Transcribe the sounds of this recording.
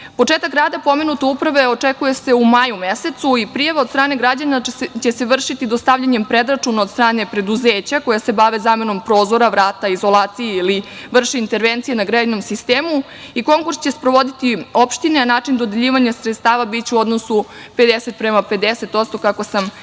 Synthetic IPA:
po̞t͡ʂeːt̪akɡɾaːd̪apo̞menut̪e̞upɾaʋe̞o̞t͡ʂekuje̞se̞umaːjumese̞t̪suipɾijaʋaost̪ɾaːne̞ɡɾad͡ʑanat͡ɕe̞seʋr̩ʃit̪id̪ost̪aʋʎaɲempɾe̞d̪ɾat͡ʂunaod̪st̪ɾaːne̞pɾe̞d̪uzeːt͡ɕako̞jase̞baʋe̞zaːme̞no̞mpɾo̞ːzo̞ɾaʋɾaːt̪aizo̞lˠaːt̪sijeiliʋr̩ʂeint̪e̞ɾʋent̪sijenaɡɾano̞msist̪eːmu | iko̞ŋkuɾst͡ɕe̞spɾo̞ʋo̞d̪it̪io̞pʃt̪ineanaːt͡ʂind̪o̞d̪eʎiːʋaɲasɾt̪st̪aːʋabit͡ɕeuo̞d̪nosupe̞d̪ese̞t̪̚pɾe̞mape̞d̪ese̞t̪o̞t̪st̪okako̞sam

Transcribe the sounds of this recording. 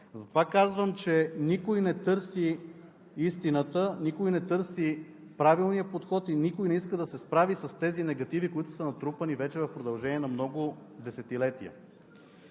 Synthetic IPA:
zɐt̪ovakazvəmt͡ʃɛnikojnɛt̪ɤɾsi | ist̪inət̪ənikojnɛt̪ɤɾsi | pɾavilˠnijəpot̪xɔt̪inikoʊjnɛiskəd̪ɐsɛspɾavisɐst̪ɛzinɛɡɐt̪ivikoit̪ʊ̥sənɐt̪ɾupənivɛt͡ʃɛvɐfpɾod̪ɐlˠʒɛniɛnɐmnɔɡʊd̪ɛsɛt̪ilɛt̪iə̰

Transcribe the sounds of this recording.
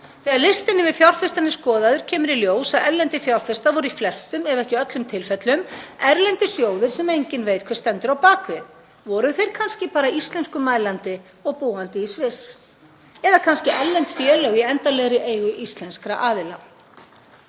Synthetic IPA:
θɛaɾlɪst̪ɪnːɪvɪðfjawrɾ̥θfɪst̪anːɪskɔːðaðʏɾ̥cʰɛːmʏɾiljoːwsaðɛɾlɛnt̪ɪfjawr̥θfɪst̪avɔɾʏiflɛst̪ʏmɛvɛhcɪœt̪lʏmt̪ʰɪlfɛt̪lʏmɛɾlɛnt̪ɪsjoːwðɪɾ̥sɛmejɲcɪnveːjt̪̚kʰvɛɾ̥st̪ɛnt̪ʏɾawpaːkvɪð | vɔɾʏθejɾ̥kʰanscɪpaːɾaist̪lɛnskʏmaːjlant̪ɪ | ɔɣpuːant̪ɪisvɪs | ɛðakʰanscɪʔɛllːɛnt̪fjɛːlœɣiɛnt̪alɛɣɾɪʔeːjɣʏʔist̪lɛnskɾa̰ʔaːðɪla

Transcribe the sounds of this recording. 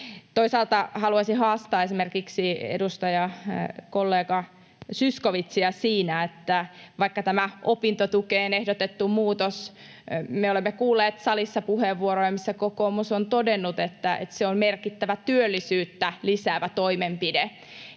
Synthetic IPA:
t̪oisɑːlt̪ɑhɑluɑsihɑːst̪ɑːesimerkiksiḛdust̪ɑjɑkolːeːɡɑ | syskoʋit̪siɑsiːnæet̪ːæʋɑikːɑt̪æmæʔopint̪ot̪ukeːnehdot̪et̪ːumuːt̪os | meolemːekuːlːeːt̪sɑlisːɑpuheʋːuoɾojɑmisːækokoːmusont̪odenːut̪et̪ːæḛt̪seommerkit̪ːæʋæt̪yølːisyːt̪ːælisæːʋæt̪oimempide

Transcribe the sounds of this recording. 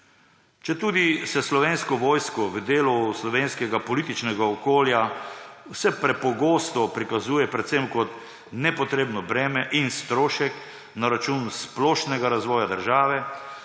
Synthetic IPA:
t͡ʃɛt̪uːd̪isɛslɔʋeːnskɔʋɔːjskɔʋd̪eːluslɔʋeːnskɛɡapɔliːt̪it͡ʃnɛɡaɔkoːljawsɛpɾɛpɔɡoːst̪ɔpɾikazuːjɛpɾɛt̪sɛmkɔt̪ | nɛpɔt̪ɾeːbnɔbɾɛːmɛʔinst̪ɾoːʃɛk | naɾat͡ʃuːnsplɔʃnɛɡaɾazʋɔːjad̪əɾʒaːʋɛ

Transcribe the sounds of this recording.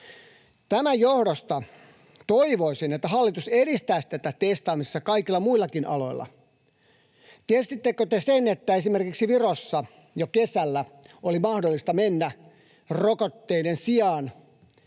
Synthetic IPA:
t̪æmæjjohdost̪ɑ | t̪oiʋoisinet̪ːæhɑlːit̪useɾist̪æːst̪ːæt̪æt̪est̪ɑːmisesːɑkɑikilːɑmuilːˑɑkinʔɑ̰lo̞̰ilːɑ̰ | t̪iesit̪ːekøt̪esenet̪ːæesimerkiksiʋirosːɑ | jokesælːæolimɑhdolːist̪ɑmenːæ | rokot̪ːeinensiɑːn

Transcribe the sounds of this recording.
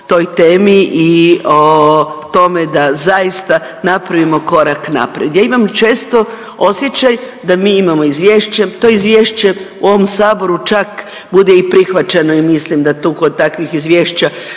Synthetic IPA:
t̪o̞jt̪eːmiʔiot̪o̞me̞d̪azaist̪a | napɾaʋimo̞ko̞ɾakna̰pɾed̪jaːimamt͡ʃe̞ːst̪o̞ | o̞sje̞t͡ɕaj | d̪amiːimamo̞izʋʲje̞ːʃt͡ɕe̞t̪o̞izʋje̞ːʃt͡ɕe̞uo̞ʋomsaːbo̞ɾut͡ʃak | bud̪eipɾixʋat͡ʃeno̞imislimd̪at̪ukod̪̚t̪akʋixizʋʲje̞ːʃt͡ɕa

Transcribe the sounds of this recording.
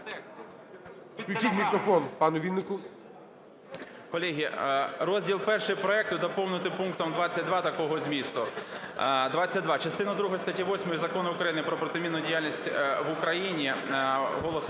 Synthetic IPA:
pʲit͡ʃitʲmʲikɾɔfɔnpɑnʊʋʲinːɪkʊ | kɔlʲɛɦʲirɔzʲdʲilˠpɛrʃɪjpɾɔɛk̚t̪ʊd̪ɐpɔwnʊt̪ɪpuŋkt̪ɔmd̪ʋɑt͡sʲːɐt̚ʲd̪ʋɑt̪ɐkɔɦɔzʲmʲist̪ʊ | d̪ʋat͡sʲːɐt̚ʲd̪ʋɑt͡ʃɐst̪ɪnɐd̪ɾuɦɔɔst̪ɐtʲiʋɔsʲmɔjizɐkɔnɐʊkɾɐjinɪpɾɔpɾɔt̪ɪmʲinːʊdʲijalʲnʲisʲtʲʋʊkɾɐjinʲiɦɔlˠɔs

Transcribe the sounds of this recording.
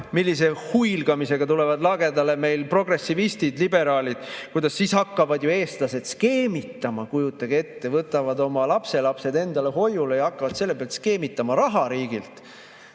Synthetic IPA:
milːis̬e̞hujlɡ̥ɑmise̞ɡ̥ɑt̪ule̞vɑd̪lɑɡe̞d̪ɑle̞me̞jlpro̞ɡre̞sːivist̪id̪̥libe̞ɾɑːlid̪̥kujd̪ɑsːiːshɑkːɑvɑd̪joe̞ːst̪lɑse̞d̪ske̞ːmit̪ːˑɑmɑkujut̪ːˑɑɡ̥e̞t̪ːe̞vɤt̪ːˑɑvɑd̪o̞mɑlɑpse̞lɑpse̞d̪e̞nd̪̥ɑle̞ɦo̞jule̞jɑɑkːɑvɑd̪̥se̞lːe̞peɑlt̪ske̞ːmit̪ːˑɑmɑɾɑɦɑɾiːɡ̥ilt̪

